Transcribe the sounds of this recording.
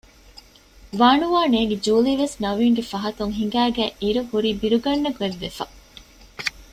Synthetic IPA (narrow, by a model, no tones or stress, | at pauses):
ʋaːɳuʋaːneːɡed͡ʒuːliʋesnɐʋiːŋɡefɐɦɐt̪uŋɦiŋ̆ɡæːɡæʔiɾuhuɾiːbiɾuɡɐɳːɐɡueʋːefɐ